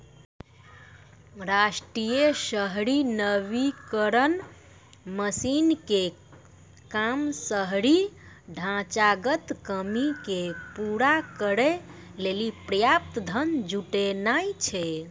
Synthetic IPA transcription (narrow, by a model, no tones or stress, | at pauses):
ɾasʈɾijesəɦɾinəβikəɾən | məsinke | kamsəɦɾiɖʱãt͡ʃaɡət̪kəmikepuɾakəɾe | lelipɾəjap̚t̪d̪ʱənd͡ʒuʈenajt͡ʃʰɛ